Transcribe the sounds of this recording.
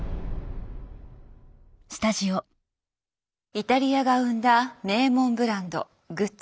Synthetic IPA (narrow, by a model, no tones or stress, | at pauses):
sɨ̥t̪aʑio | it̪aɾʲiaɡaɯ̟̃nd̪ane̞ːmõ̞mbɯ̟ɾãnd̪o̞̰ | ɡɯ̟